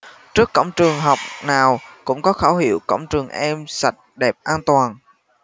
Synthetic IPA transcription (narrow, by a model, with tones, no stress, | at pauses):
t͡ɕɨ˦˥əkːə̰˧˨wŋ͡mt͡ɕɨ˨˩əŋɦɔ˨˩wk͡p̚naː˨˩wkʊ̰˧˥ŋ͡mkɔ˨˦xaː˧˩whḭ˧˨əwkə̰˧˨wŋ͡mt͡ɕɨ˨˩əŋʔɛ˧msa˨˩t̚ɗɛ˨˩p̚ʔaː˧nt̪waː˨˩n